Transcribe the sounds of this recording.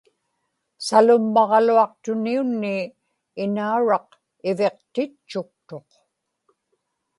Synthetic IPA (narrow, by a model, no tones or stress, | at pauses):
salʊmːɑʁɑluɑq̚t̪ʊniunːiː | nauɻɑq | ɪve̞qt̪ɪt͡ʃːʊk̚t̪oq